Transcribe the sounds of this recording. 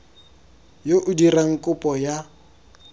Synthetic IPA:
joʔʊdiraŋ̩kʼʊpʼɔja

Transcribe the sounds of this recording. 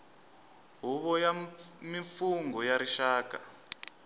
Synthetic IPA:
ɦuβɔjamifuŋɡɔjaɾiʃaːka

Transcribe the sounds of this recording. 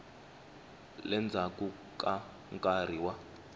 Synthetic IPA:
lɛnd͡zʱaku | kʼa | ŋkʼar̤iwa

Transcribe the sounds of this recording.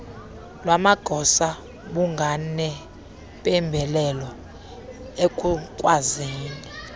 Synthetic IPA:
lwamaɡ̥ʱɔsa | ɓuŋɡʱanɛ | pʼɛmbʱɛlɛlɔ | ekʼukʼwaziːni

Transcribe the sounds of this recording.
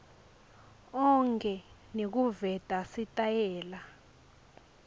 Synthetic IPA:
ɔŋkʰʼɛnek̬uvɛd̥ʼʱasitʼajɛːla

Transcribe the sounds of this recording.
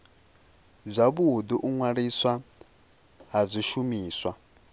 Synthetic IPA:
b͡ʐʷaβuɦud̪uʔuŋwaɾiswa | ɦab͡ʐʷiʃumiːswa

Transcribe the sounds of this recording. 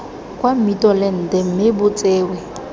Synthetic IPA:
kʼwam̩mitʼɔlɪn̩dɪm̩mɪbʊt͡sʼeːwɛ

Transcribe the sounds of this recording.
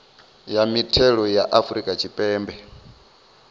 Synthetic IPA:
jamitʰɛɺɔjaʔafɾikʼat͡ʃʰipʼɛːmbɛ

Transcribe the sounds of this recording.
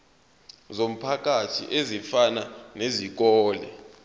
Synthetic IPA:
zom̩pʰak̬ʼatʰḭʔezifananezik̬ɔːlɛ̰

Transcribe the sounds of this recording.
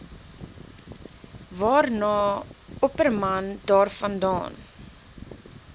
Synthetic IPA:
vɑːrnɑːɔpərmɐndɑːrfɐndɑ̰ːn

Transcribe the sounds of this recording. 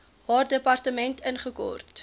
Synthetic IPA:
ɦɑːrdəpɐrtəmɛntənχəkɔ̰rt

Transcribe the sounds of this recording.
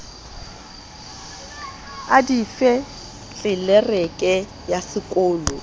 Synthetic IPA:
adifɛ | t͡ɬʼɪlɛrɛkʼɛ | jasɪkʼoːlɔ

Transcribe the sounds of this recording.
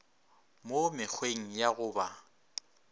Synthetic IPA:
momɪk͡xʰweŋ̩jaɣʊːba

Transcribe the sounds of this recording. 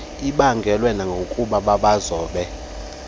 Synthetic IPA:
iɓaŋɡʱɛlwɛnaŋɡʱokʼuɓaɓaɓazɔːɓɛ

